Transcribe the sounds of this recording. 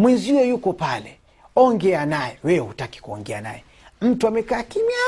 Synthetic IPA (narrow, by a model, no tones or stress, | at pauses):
mwinzihujɛjukɔpalɛ | ɔŋɡɛanajɛwɛɛhutaki̥kuɔ̰ŋɡɛa̰na̰jɛ | m̩tuamɛkaːkimia